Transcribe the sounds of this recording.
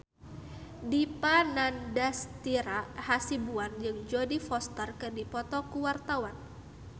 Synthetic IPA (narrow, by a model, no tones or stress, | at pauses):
dipanandast̪iɾahasibuand͡ʒɨŋd͡ʒodifɔst̪ərkɨrdipɔt̪ɔkuwart̪awan